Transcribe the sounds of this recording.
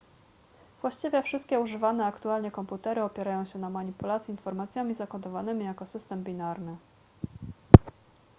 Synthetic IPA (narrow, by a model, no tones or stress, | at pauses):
vwaɕt͡ɕivʲjɛfʂɘst̪kʲɛuʐɘvanɛakt̪ualɲɛkɔmput̪ɛɾɘɔpʲjɛɾajɔ̃w̃ɕɛnamaɲipulat̪sʲjiinfɔɾmat̪sʲjamʲizakɔd̪ɔvanɘmʲijakɔsɘst̪ɛmbʲinaɾnɘ